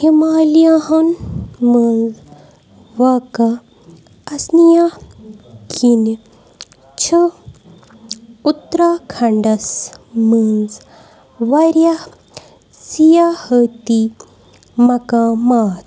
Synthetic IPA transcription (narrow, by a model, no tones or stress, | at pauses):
himaːlijaɦɐnmənd͡z | ʋakɐ | ɐsnija | kʰin | t͡ʃʰə | ut̪ɾakʰɐɳɖɐsmənd͡z | ʋɐɾjah | sijahət̪i | mɐkãmaːt̪